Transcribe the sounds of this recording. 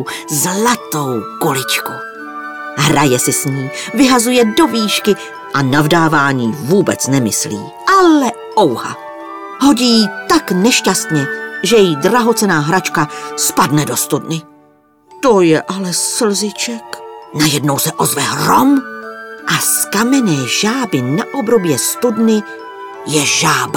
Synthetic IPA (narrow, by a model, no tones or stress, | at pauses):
zlat̪o̞wkolɪt͡ʃko | ɦɾajɛsɪsɲiːvɪɦazujɛdo̞viːʃkɪ | ʔanavdaːvaːɲiːvuːbɛ̰t͡snɛmɪ̰slḭː | ʔalɛ | ʔowha̰ | ɦo̞ɟijit̪aknɛʃcast̪ɲɛʒɛjjidraɦo̞t͡sɛnaːɦɾat͡ʃkaspadnɛdo̞st̪udnɪ | t̪o̞jɛʔalɛsl̩zɪt͡ʃɛknajɛdno̞wsɛʔo̞zvɛɦrom | ʔaskamɛnɛːʒaːbɪnaʔo̞bɾo̞bjɛst̪udnɪ | jɛʒaːba